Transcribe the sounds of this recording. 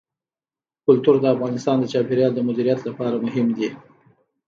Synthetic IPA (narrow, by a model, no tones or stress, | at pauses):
kʊlt̪uɾd̪əafɣɑnɪst̪ɑnd̪ət͡ʃɑpeɾjɑld̪əmʊd̪iɾijat̪lapɑɾamʊɦɪmd̪i